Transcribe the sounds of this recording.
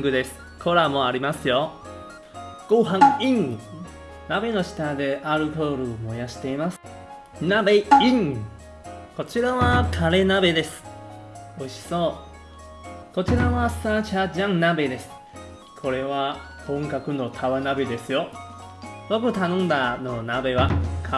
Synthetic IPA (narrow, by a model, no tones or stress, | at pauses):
ɡɯ̟d̪e̞sɨ̥ | kʰo̞ɾamo̞aɾʲimasɨjo̞ | ɡ̥oɦãŋĩŋ | nabe̞no̞ɕi̥t̪ad̪e̞ʔaɾɯ̟koːɾɯ̟mo̞jaɕi̥t̪e̞imasɨ̥ | nabe̞ĩŋ | ko̞t͡ɕiɾaβakʰaɾe̞nabe̞d̪e̞sɨ̥ | oiɕi̥so̞ː | ko̞t͡ɕiɾaβasat͡ɕaʑãŋnabe̞d̪e̞sɨ̥ | kʰo̞ɾe̞βa | hõ̞ŋkakɯ̟no̞t̪ʰaβanabe̞d̪e̞sɨjo̞ | bo̞kɯ̟t̪anõ̞nd̪ano̞nabe̞βakʰ